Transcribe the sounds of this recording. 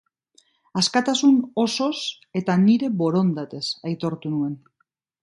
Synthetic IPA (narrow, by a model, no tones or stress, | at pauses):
askat̪asuno̞so̞s | e̞t̪aniɾe̞βo̞ɾo̞nd̪at̪e̞sajt̪o̞ɾt̪unue̞n